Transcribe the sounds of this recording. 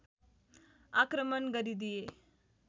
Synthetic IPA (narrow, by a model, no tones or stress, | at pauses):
akɾəmənɡəɾid̪ije